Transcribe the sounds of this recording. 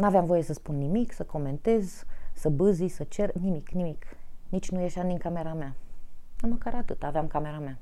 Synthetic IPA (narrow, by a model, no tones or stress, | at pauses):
naveamvo̞je̞səspunːimiksəko̞me̞nt̪e̞zsəbɨzisət͡ʃe̞rnimiknimiknit͡ʃʲnuje̞ʃamd̪iŋkame̞ɾama | aməkaɾat̪ɨt̪aːveamkame̞ɾamea